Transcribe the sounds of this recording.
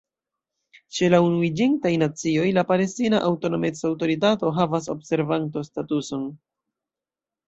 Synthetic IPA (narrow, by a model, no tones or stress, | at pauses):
t͡ʃe̞launuid͡ʒintajnat͡sio̞jlapale̞stinaʔawto̞no̞met͡sawto̞ɾit̬ato̞ɦavas̬o̞bse̞ɾvanto̞statuso̞n